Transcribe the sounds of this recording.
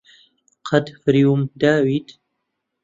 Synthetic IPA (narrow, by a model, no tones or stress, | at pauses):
qʰad̪fɾiumd̪aːwid̪